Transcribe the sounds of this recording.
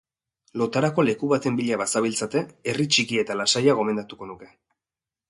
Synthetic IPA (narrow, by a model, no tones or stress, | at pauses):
lo̞t̪aɾako̞le̞kuβat̪e̞mbiʎaβasaβilt͡sat̪e̞erit͡ʃikie̞t̪alasajaɣ̞o̞me̞nd̪at̪uko̞nuke̞